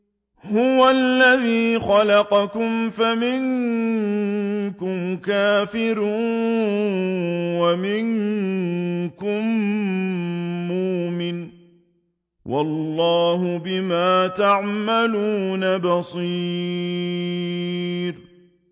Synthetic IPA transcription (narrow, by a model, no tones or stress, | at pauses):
hʊwalːaðiːxɑlɑqɑkʊmfamɪŋ | kʊmkaːfɪɾuːn | wamɪŋ | kʊm | uːmɪn | wʔɑ̰lːɑːɦʊbɪmaːt̪aʕmaluːnabɑsˤi | ɾ